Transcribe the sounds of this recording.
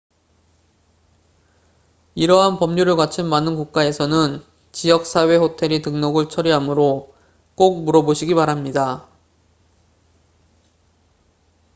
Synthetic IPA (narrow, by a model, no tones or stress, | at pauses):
iɾʌɦanpʌmɲuɾɯɭkat͡ɕʰɯnmanɯnkuk̚k͈ae̞sʰʌnɯn | t͡ɕijʌk̚s͈ʰawe̞ɸotʰe̞ɾitɯŋnʌɡɯɭt͡ɕʰʌɾiɦamɯɾo | k͈ok̚muɾʌboɕʰiɡipaɾamɲida